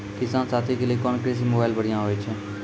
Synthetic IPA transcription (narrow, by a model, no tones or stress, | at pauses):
kɪsãːnsaːt̪ʰikeliekɔːnkɾeːs̬imoːbaːɪlbəɽ̤ijãɦoːet͡ʃʰɛ̃ː